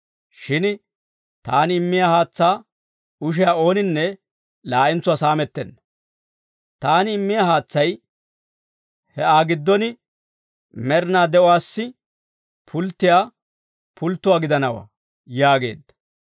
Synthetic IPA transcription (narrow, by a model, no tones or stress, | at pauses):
ʃɪn | t̪aːnɪmːɪjaːhaːt͡sːaː | ʊʃ̬ɪjaːo̞ːnɪnːɛ | laːʔɪnt͡sːʊwaːsaːmɛt̪ːɛnːɐ | t̪aːnɪːmːɪjaːhaːt͡sːɐj | hɛʔaːɡɪd̪ːɔnɪ | mɛɾnaːd̪ɛʔɔwaːsːɪ | pʰʊlt̪ːɪjaː | pʰʊlt̪ːʊwaːɡɪd̪ɐnɐwa̰ː | jaːɡe̞̰ːd̪ːɐ̥